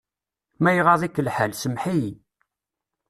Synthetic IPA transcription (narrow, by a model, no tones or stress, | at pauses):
mæjəʁɑðˤikːəlħəlsəmħij